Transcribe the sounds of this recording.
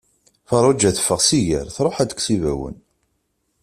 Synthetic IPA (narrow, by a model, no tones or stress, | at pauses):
fɑɾˤʊd͡ʒːæθə̥fːəʁsijə̰ɾθɾˤoħæd̪əkʷsivæwə̰n